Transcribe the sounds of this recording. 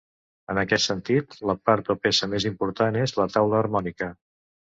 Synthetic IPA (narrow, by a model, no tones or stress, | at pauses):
ənəkɛt̪sənt̪it̪ləpaɾt̪opesəmezimpuɾt̪anezlət̪awləːrmɔnikə